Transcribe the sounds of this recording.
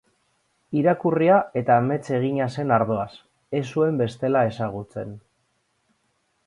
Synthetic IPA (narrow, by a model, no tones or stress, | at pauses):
iɾakuriae̞t̪ame̞t͡se̞ɣ̞iɲase̞naɾðo̞as | e̞sue̞mbe̞st̪e̞lae̞saɣ̞ut͡se̞n